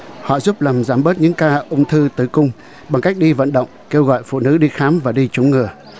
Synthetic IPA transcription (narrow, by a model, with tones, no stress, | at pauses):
hɔ̰˧˨zu˦˥p̚laː˨˩mzaː˨˩˦mɓəː˦˥t̚ɲɨ̰˧˥ŋkaː˧ʔə˧wŋ͡mt̪ʰɨ˧t̪ɨ˧˩kʊ˧ŋ͡m | ɓa˨˩ŋka˦˥jk̟̚ɗi˧və̰˧˨nɗə̰˧˨wŋ͡mke˧wɣɔ̰˧˨jfṵ˧˨nɨ̰˧˥ɗi˧xaː˨˦mvaː˨˩ɗi˧t͡ɕʊ˨˦ŋ͡mŋɨ˨˩ə